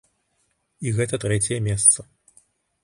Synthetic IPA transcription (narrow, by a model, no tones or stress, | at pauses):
iɣɛt̪ɐt̪ɾɛt͡sʲjɛmʲɛst̪sɐ